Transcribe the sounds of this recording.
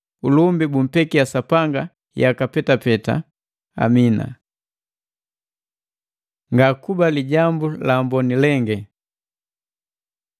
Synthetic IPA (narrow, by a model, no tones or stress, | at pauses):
ulumbibum̩pɛkiasapaŋɡa | jakapɛtapɛta̰ | a̰mina̰ | ŋɡakubaliɟambulambɔnilɛŋɡɛ